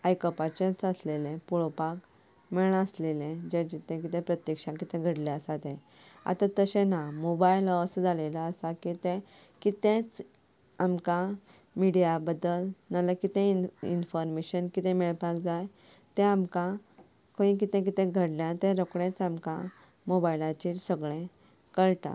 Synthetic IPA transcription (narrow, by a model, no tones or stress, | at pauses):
ajkəpat͡ɕẽt͡səslelẽpuɭpak | meɭaəslelẽd͡ʑed͡ʑit̪ɛ̃k̬it̪ɛ̃pɾət̪jəkʂãkit̪ɛ̃ɡʱəɽlɛəsat̪ɛ̃ | a̰t̪at̪əɕẽnamobajləəsd͡zʱalelaəsakit̪ẽ | kit̪ẽt͡s | amka | miɽijabəd̪əlnaləkit̪ẽiḭnfɔɾmeɕənkit̪ẽmeɭp̪akd͡zaj | t̪ɛ̃amka | kõĩk̬it̪ɛ̃k̬it̪ẽɡʱəɽljat̪ẽɾokɽẽt͡samka | mobailat͡ɕiːʈsəɡɭẽ | kəɭʈ̪a̰